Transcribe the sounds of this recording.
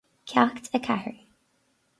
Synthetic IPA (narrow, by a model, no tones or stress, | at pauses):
kʰjaktʰəkʰa̰hɹi